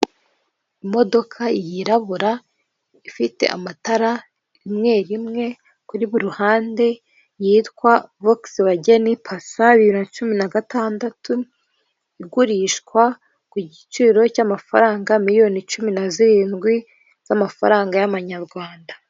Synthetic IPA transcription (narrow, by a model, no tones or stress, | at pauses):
imo̞do̞kʰaijiɾaβuɾa | ifite̞̰ʔa̰mataɾa | imŋe̞ːɾimŋe̞ | kuɾiβuɾuhaːnde̞ | jiːtkwavoksiβaɟe̞nipʰasaβiɾiɾinat͡ʃuminaɡataːndatu | iɡuɾiʃkwa | kuɟit͡ʃiːɾo̞camafa̰ɾaːŋɡamiɾijo̞nit͡ʃuminaziɾiːnɡwi | z̥amafa̰ɾaːŋɡajaβaɲaɾɡwaːnda